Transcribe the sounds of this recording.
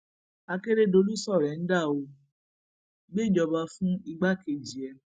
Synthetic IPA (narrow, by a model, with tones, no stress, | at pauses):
a˧ke˦ɾe˦˨do˧˦lu˦sɔ˦˨ɾɛ˨n̩˦da˦˨o˧ | ɡ͡be˦˨d͡ʒɔ˧ba˧fũ˦i˧ɡ͡ba˦ke˨d͡ʒi˨ɛ˧